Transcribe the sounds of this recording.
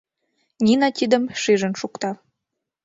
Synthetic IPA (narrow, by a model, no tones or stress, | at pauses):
nʲinɑt̪ʲid̪əmʃiʒə̆nʃukt̪ɑ